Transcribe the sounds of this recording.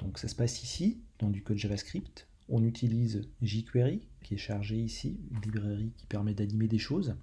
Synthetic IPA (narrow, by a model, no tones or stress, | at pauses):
d̪̥ɔ̃ksasə̥pasisid̪̥ɑ̃d̪ykɔd̪ʒavaskχipt̪ | ɔ̃nyt̪ʰilizʒikweʁikʲiɛʃaʁʒeisiynlibʁɛʁikʲi̥pɛʁmɛd̪animed̪eʃoːz